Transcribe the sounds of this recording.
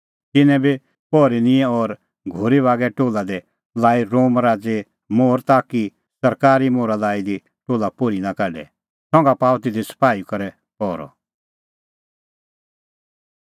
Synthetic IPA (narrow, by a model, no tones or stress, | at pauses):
t̪ɪnɛ̃bi | pɔːɾinɪ̃ɛ̃ɔɾ | ɡʱʊɾiʋaːɡɛʈoːlad̪ɛ | laːiɾoːmɾaːd͡ze | moːɾt̪aːki | sɐɾkaːɾimoːɾalaːid̪i | ʈoːlapʊɾinakɛɖɛ̰ | sɔ̃ŋɡapaːwt̪ɪd̪isɐ̥paːikɐɾɛ | pɔːɾɔ̰